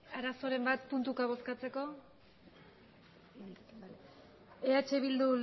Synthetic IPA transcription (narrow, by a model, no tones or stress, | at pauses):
aɾaso̞ɾe̞mbat̪̚punt̪ukaβ̞o̞skat͡se̞ko̞ | eat͡ʃe̞βild̪u